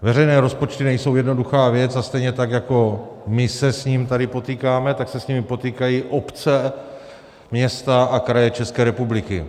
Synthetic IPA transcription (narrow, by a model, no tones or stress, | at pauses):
vɛɾɛjnɛːɾo̞spo̞t͡ʃt̪ɪnɛjso̞wjɛdno̞duxaːvjɛt͡sast̪ɛjɲɛt̪akjako̞mɪsɛsɲiːmt̪adɪpo̞t̪iːkaːmɛt̪aksɛsɲimɪpo̞t̪iːkajiʔopt͡sɛ | mɲɛst̪aʔakɾajɛt͡ʃɛskɛːɾɛpublɪkɪ